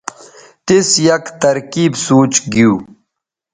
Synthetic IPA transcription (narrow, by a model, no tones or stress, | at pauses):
t̪isjɐkt̪ɐɾkiːbsoːt͡ɕɡiuː